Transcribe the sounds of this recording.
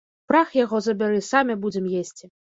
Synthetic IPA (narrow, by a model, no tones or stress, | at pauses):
pɾaxjaɣɔzɐbʲaɾɨsamʲɛbud͡zʲɛmjesʲt͡sʲi